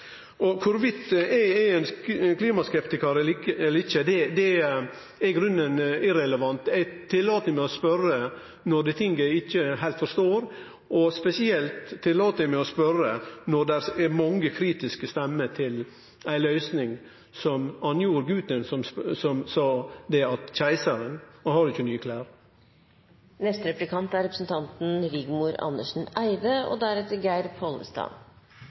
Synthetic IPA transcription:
ɔkʰʊɾʋɪt̪ːææɛɪnkʰliːmɑskɛpt̪ɪkəɾɛɛlːəɾɪçːəd̪ɛd̪ɛ | ɛɡɾʉnːənɪɾɛləʋɑnt̪æt̪ʰːɪlːɑːt̪nəmɛɔspœɾə | nɔɖɛt̪ʰɪŋɡæɪɪçːəɦæɪlt̪fɔʂt̪oːɾ | ʔɔspɛsɪɛlt̪ʰːɪlːɑːt̪əəmɛɔspœɾənɔd̪æɾɛmɑŋəkʰɾiːt̪ɪskəst̪ɛmːət̪ʰɪl | æɪlœʏsnɪŋ | sɔmɑnjuːɾɡʉːt̪ənsɔmsɔmsɑːd̪ɛɑt̪çæɪsɑɾənhɑɾɪçːənyːəkʰlæːɾ | nɛst̪ɾɛplɪkʰɑnt̪æɾɛpɾəsn̩t̪ʰɑnt̪n̩ɾɪɡmuɾɑ̰nːəʂn̩æɪd̪əɔ̰d̪æɾɛt̪əɡæɪɾpʰɔlə̰st̪ɑ̰ːn

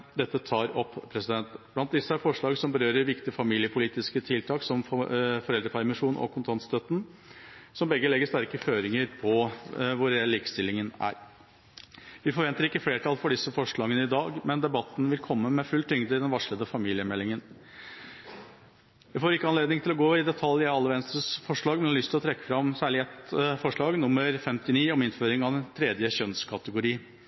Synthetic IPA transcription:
d̪ɛt̪ːət̪ʰɑːɾɔpːpʰɾɛsɪd̪ɛnt̪b̥lɑnt̪̚d̪ɪsːəæɾfɔʂɭɑːɡsɔmbəɾøːɾəɾʋɪkt̪ɪəfɑmiːlɪəpʰʊliːt̪ɪskət̪ʰɪlt̪ʰɑːksɔmfɔɾɛld̪ɾəpʰæɾmɪʂuːnɔ̰kʰʊnt̪ʰɑnt̪st̪œt̪n̩ | sɔmbɛɡːəlɛɡːəʂt̪æɾkəføːɾɪŋəɾpʰɔʋʊɾɛɛllːiːkst̪ɪlːɪŋənæ̰ɾ | ʋɪfɔɾʋɛnt̪əɾɪkːəfleːʈʰɑlfɔɖɪsːəfɔʂɭɑːɡənəɪd̪ɑːɡmɛnd̪ɛbɑt̪ːn̩ʋɪlkʰɔmːəmɛfʉlt̪ʰʏŋd̪əɪd̪ɛnʋɑʂɭəd̪əfɑmiːlɪəmɛlːɪŋən | ʋæfoːɾɪkːəɑnleːd̪nɪŋt̪ɪlɔɡoːɪd̪ɛt̪ʰɑljəɑlːəʋɛnst̪əsfɔʂɭɑːɡmɛnhɑlʏst̪ɪlɔt̪ʰɾɛkːə̥fɾɑmsæːɭɪɛt̪fɔʂɭɑːɡnʊmːəɾfɛmt̪ɪniːɔmɪnføːɾɪŋɑd̪ɛnt̪ʰɾɛːd̪jəɕœnskʰɑt̪əɡʊɾiːən

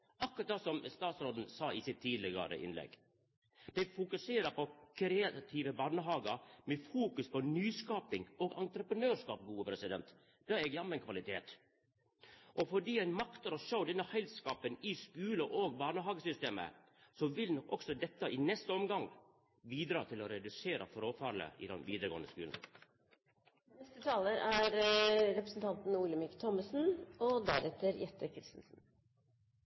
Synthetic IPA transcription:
ʔɑkʊɾɑt̪̚d̪ɑsɔmst̪ɑːt̪sɾoːd̪n̩sɑːɪsɪt̪ʰːiːd̪lɪɡɑ̰ɾə̰ʔɪ̰nlɛ̰ɡ | d̪̥ɛɪfʊkʉseːɾəɾpʰɔkʰɾeːɑt̪ʰiʋəbɑːnəɦɑːɡəɾmɛfuːkʉspʰɔnyːskɑːpɪŋɔɡɑnt̪ɾəpɾənøːʂkɑ̰ːpɡuːəpʰɾɛsɪd̪ɛ̰nt̪ | d̪̥ɑːɾɛɡjɑnmːɛnkʰʋɑlɪt̪ʰeːt̪ | ʔɔfɔɖiːæɪnmɑkt̪əɾɔʃoʊd̪ɛnːəhɛɪlskɑːpənɪskʉːləʔoːɡbɑːɳəɦɑːɡəsʏst̪eːmə̰ | sɔʋɪlnɔkɔksɔd̪ɛt̪ːəʔɪnɛst̪əɔmɡɑŋ | biːd̪ɾɑːt̪ʰɪlɔɾɛd̪ʉseːɾʔɑ̰fɾoːfɑːɾɭə̰ɪ̰d̪ɛnʋiːd̪əɾəɡoːnəskʉːln̩ | nɛst̪ət̪ʰɑːləɾæɾɾɛpɾəsn̩t̪ʰɑnt̪n̩uːləmɪkt̪ʰɔməsn̩ɔd̪æɾɛt̪əɾjɛt̪ːəkʰɾɪst̪n̩sn̩

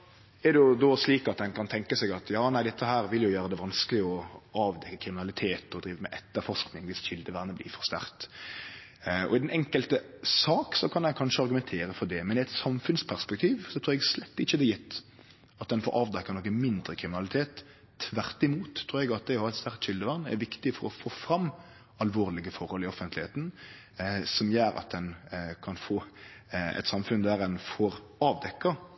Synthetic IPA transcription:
ɛd̪ɛjʊd̪oːsliːkɑt̪̚d̪ɛnkʰɑnt̪ʰɛŋkəsɛɡɑt̪ʰjɑːnæɪd̪ɛt̪ːəhæːɾʋɪljʊjøːɾəd̪ɛʋɑnskəlɪɔɑːʋd̪ɛkːəkʰɾɪmɪnɑlɪt̪ʰeːt̪ɔd̪ɾiːʋəmɛ̰ʔɛt̪ːəɾfɔʂknɪŋʋɪsçɪld̪əʋæɾnəblɪ̰ːfɔɾst̪æ̰ɾt̪ | ɔ̰ɪd̪ɛnʔɛŋkəlt̪əsɑːksɔkʰɑnɛnkʰɑnʂəɑɾɡʉmɛnt̪ʰeːɾəfɔd̪ɛmɛnɪɛt̪sɑmfʉnspʰæɾspɛk̚t̪ʰiːʋsɔt̪ʰɾuːɾɛɡslɛt̪ːɪçːəd̪ɛjɪt̪ː | ɑt̪̚d̪ɛnfo̰ːʔɑːʋd̪ɛkːɑnɔkːəmɪnd̪ɾəkʰɾɪmɪnɑlɪt̪ʰeːt̪ʰː | ʋæɾt̪ɪmuːt̪ʰːɾuːɾɛɡɑt̪̚d̪ɛhɑɾɛt̪st̪æʁkt̪ʃʏld̪əʋɑʁnːɛ̰ɾʋɪkt̪ɪfɔɾɔfoːfɾɑmː | ɑlʋoːɾlɪɡəfɔɾhɔlɪɔfənt̪lɪheːt̪n̩ | sɔmjøːɾɑ̰t̪̚d̪ɛnkʰɑnfoː | ɛ̰t̪sɑmfʉnd̪æɾɛnfɔɾ | ɑːʋd̪ɛkːɑ

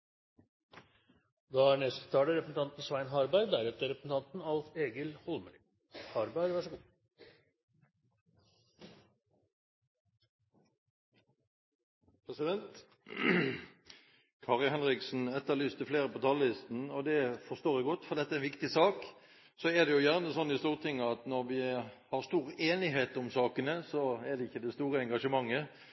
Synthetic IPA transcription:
d̪ɑæːɳɛst̪ə̥t̪ʰɑːləɾɛpɾəsn̩t̪ʰɑnt̪n̩sʋæɪnɦɑɾbæɪɾd̪æɾɛt̪əɾɛpɾəsn̩t̪ʰɑnt̪n̩ɑlfeːɡəlhɔlməɾ | hɑɾbæɪɾʋɑʂɔɡuː | pʰʁɛsɪd̪ɛnt̪ | kʰɑːʁɪlhɛnʁɪksn̩ɛt̪ːəlyːst̪ʰəfleːɾəpot̪ʰɑllɪst̪n̩ɔd̪ɛfɔʁst̪oːʁæɡɔt̪ːfɔʁd̪ɛt̪ːəæɛɪnʋɪkt̪ɪsɑːk | sɔɛd̪ɛjʊjæʁnəsɔnːɪst̪uːʁət̪ʰɪŋːəɑt̪nɔɾʋɪhɑʁst̪uːʁeːnɪɦeːt̪ʊmsɑːkənəsɔæd̪ɛɪçːəd̪ɛst̪uːʁəɛŋɡɑʂəmɑŋːə

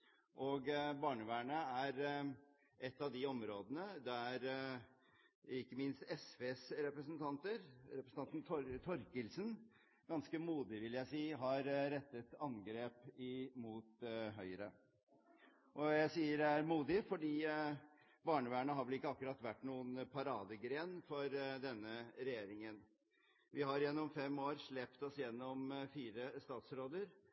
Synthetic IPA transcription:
ʔɔɡbɑːɳəʋæːɳəæɾ | ʔɛt̪ːɑʋd̪ɪɔmɾoːd̪ənəd̪ɛæɾ | ɪkːəmɪnst̪ɛsʋeːsɾɛpɾəsənt̪ʰɑnt̪əɾɾɛpɾəsn̩ɑnt̪n̩t̪ʰt̪ʰɔɾkəlsən | ɡ̥ɑnskəmuːd̪ɪʋɪljæɪsiːɦɑɾɾɛt̪ːət̪ɑnɡɾeːpɪmuːt̪ɦœʏɾə | ʔɔjæɪsiːəɾæɾmuːd̪ɪfɔɖiː | bɑːɳəʋæːɳəɦɑɾʋɛlɪkːəɑkʉɾɑt̪ːʋæʈːnuːənpʰɑɾɑːd̪əɡɾeːnfɔɾd̪ɛnːəɾɛjeːɾɪŋən | ʋɪhɑɾjɛnːɔmfɛmːoːɾʂɭɛpt̪ɔsjɛnːɔmfiːɾəst̪ɑːt̪sɾoːd̪əɾ

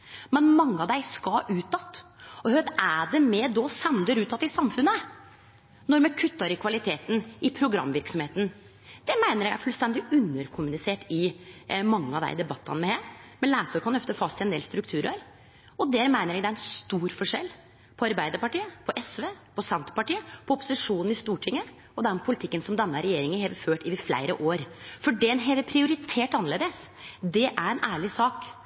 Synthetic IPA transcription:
mɛnmɑŋːəɑʋd̪æɪskɑʔʉːt̪ːɑt̪ːɔhœt̪æɖɛmɛd̪ɔsɛnd̪əɾʉːt̪ːɑt̪ːɪsɑmfʉnːə | nɔɾmɛkʰʉt̪ːɑɾɪkʰʋɑlɪt̪ʰeːt̪nɪpʰɾʊɡɾɑ̰mːʋɪɾksɔmeːt̪ən | d̪̥ɛmæɪnəɾjɛɡæ̰ɾfʉlst̪ɛnd̪ɪʉnːəɾkʰʊmʉnɪseːʈɪmɑŋːəɑʋd̪æ̰ɪd̪ɛbɑt̪ːɑ̰nmɛheːɾmɛlæːsəɾkʰɑnœft̪əfɑst̪ʰɪɛnd̪ḛːlst̪ɾʉk̚t̪ʰʉːɾəɾ | ɔd̪ɛːɾmæɪnəɾjɛɡd̪ɛæɾɛnst̪uːɾfɔʂɛ̰lː | pʰɔɑɾbæɪd̪əɾpɑʈiːəpʰɔʔɛsʋeːpɔsɛnt̪ə̥pɑʈiːəpʰɔɔpːʊ̥sɪʂuːnn̩ɪst̪uːʈʰɪŋːə | ɔd̪ɛnpʰʊlɪt̪ʰɪkːənsɔmd̪ɛnːəɾɛjeːɾɪŋənhɛːʋəføːʈɪʋɪflæ̰ɪɾə̰ʔoːɾfɔɖɛnɦeːʋɛpʰɾɪʊɾɪt̪ʰeːʈɑnːəleːd̪əsd̪ɛʔæɾɛnʔæːɭɪsɑːk

